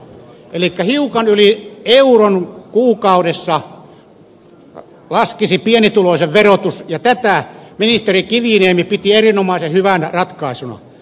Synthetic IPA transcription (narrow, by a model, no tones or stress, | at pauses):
ʔelikːæhiukɑnylieuronkuːkɑuɾesːɑ | lɑskisipienit̪uloˑiseʋʋerot̪usjɑt̪æt̪æˑminist̪erikiʋineːmipit̪ierinomɑˑisehyʋænrɑt̪kɑˑisunɑ̰